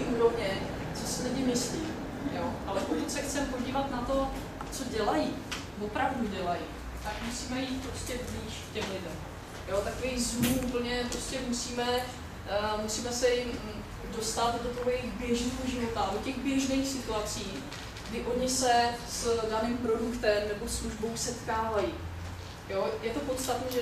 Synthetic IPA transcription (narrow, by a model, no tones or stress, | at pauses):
iʔuːɾo̞vɲɛ | t͡sosɪlɪɲɪmɪsliːm | joʔalɛpokutsɛxt͡sɛmpo̞ɟiːvat̪nat̪o̞ | t͡so̞ɟɛlaji | vo̞pɾavduɟɛlaji | t̪akmusiːmɛjiːt̪̚pɾo̞scɛbliːʃkcɛmlɪdɛm | jo̞t̪akovijɣzmuʔupl̩ɲɛpɾo̞scɛmusiːmɛ | musiːmɛsɛjɪ | do̞st̪at̪dot̪o̞ɦojɪxbjɛʒniːɦoʒɪvo̞t̪adocɛɣbjɛʒnɛjxsɪt̪uat͡siː | ɡ̥dɪʔo̞ɲɪsɛsdaniːmpɾo̞dukt̪ɛmnɛbo̞sluʒbo̞wsɛt̪kaːvaji | jo̞jɛt̪o̞po̞t̪st̪at̪niːʒɛ